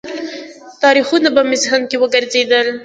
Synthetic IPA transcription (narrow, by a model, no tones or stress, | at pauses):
t̪ɑɾixunapəmɪzɦankewəɡəɾzed̪əl